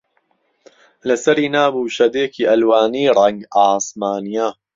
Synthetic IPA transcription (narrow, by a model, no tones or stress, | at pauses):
lɐsɐɾiːnaːbuːʃɐd̪eːkʰiːʔɐlwaːniːɾˤɐŋɡaːsmaːnijaː